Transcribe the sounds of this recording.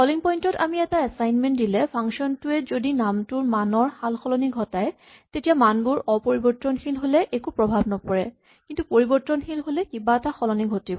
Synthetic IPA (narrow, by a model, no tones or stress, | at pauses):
xɔliŋpɔjntɔta̰miɛtaɛsajnmɛntdilɛpʰaŋsɔntʊɛzodinamtʊɹmanɔɹxalxɔlɔniɡʱɔtaj | tetijamanbʊɹɔpoɹibɔɹtːɔnxilɦolɛʔekupɹɔbʱabnɔpɔɹɛ | kintupoɹibɔɹtːɔnxilɦolɛkibaɛtaxɔlɔniɡʱotibɔ